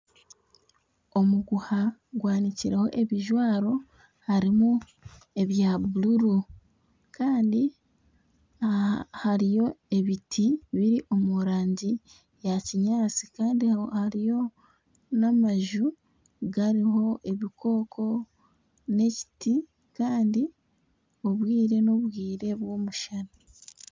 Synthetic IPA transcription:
o̞muɡuhaɡwaːniciɾeho̞̰ʔe̞βiʒwaːɾo̞ | haɾimu | e̞βjaβuluɾu | kʰaːndi | haɾijo̞e̞βitʰiβiɾiʔo̞muɾaːɲɟi | jaciɲaːt͡si̥kaːndihaɾijo̞ | namaʒu | ɡaɾiɦo̞ʔe̞βikʰo̞ːkʰo̞ | ne̞ci̥ti | kaːndi | o̞βwiːɾe̞no̞βwiːɾe̞βwo̞ːmuʃana

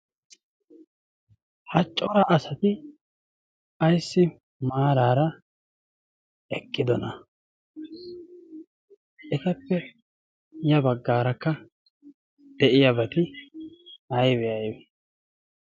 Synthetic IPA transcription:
hɐt͡ʃʼːɔɾɐʔɐsɐt̪ɪ | ɐjsːɪ | maːɾaːɾɐ | ɛkʼːɪd̪ɔnɐ | ʔɛt̪ɐpːɛ | jɐbɐɡːaːɾɐkːɐ | d̪̥ɛʔɪjɐbɐt̪ɪ | ɐjbɛjɐjbɛ

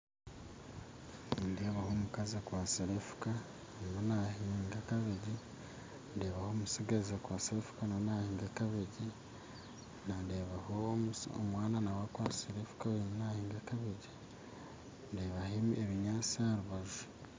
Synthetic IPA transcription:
ndeβahomukazekwaːsiɾefu̥ka | niβanahiːŋɡakaβeɟi | ndeːβaho̞musiɡazekwaːseɾefu̥kananahiːŋɡakaβeɟi | nandeβahoo̰mwaːnanawakwaːsiɾefu̥kainahiːŋɡakaβeɟi | ndeːβaɦemeβiɲaːt͡saaɾuβaʒu

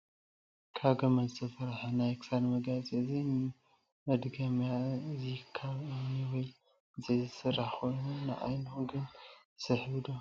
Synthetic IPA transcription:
kʰaβɡɐmɐzɨt̪ʰɐfɐɾħanajksad̪mɐɡat͡sʼezi | mɐd̪ɡɐmjazikʰːaβɨniwɔj | zɐjzɨsɨrʔaħxʰo̞jnunɨ̰ʔa̰jnhoɡɨn | sɐħβɨd̪o

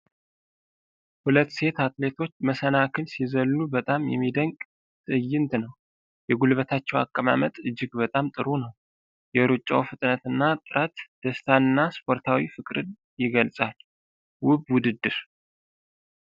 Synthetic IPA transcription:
hulət̪ːse̞t̪at̪le̞t̪ʰo̞t͡ʃːməsənakʰɨlsizəlːubət̪ʼamjɛ̰mːid̪əŋkʼ | t̪ʼɨjːɪnt̪nəw | jɛɡulβət̪ʰat͡ʃːɛwa̰kʼːəma̰mət̪ʼɨd͡ʒːɪɡbət̪ʼamt̪ʼɨɾunəw | jɛɾut͡ʃʼːa̰wfɨt̪ʼnət̪ɨnːat̪ʼɨɾət̪d̪̥əst̪ʰaɨnːaspʰo̞ɾt̪ʰawifɨkʼɾɨn | jɪɡəlsʼal | wʊbwʊd̪ɨd̪ːɨɾ

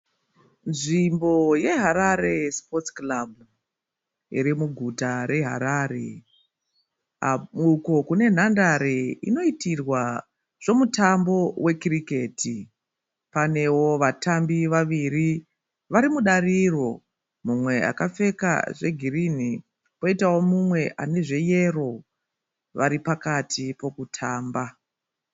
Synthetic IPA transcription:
nʐimbo̞je̞ɦaɾaɾe̞spo̞tklab̚ʱu | ḭɾimuɡʱutaɾe̞ɦa̰ɾaːɾe̞̰ | auko̞kune̞n̤andaɾe̞ḭno̞itirwa | ʐ̥o̞mutambo̞we̞kirike̞tʰi | pane̞wo̞ʋatambiʋaʋiri | ʋaɾimuɗariro̞̰ | mumwe̞a̰kafe̞ka̰ʐe̞ɡʱirin̤i | po̞itawo̞mumwe̞ʔane̞ʐe̞je̞ro̞ | ʋaɾipakatʰipo̞kutʰaːmba

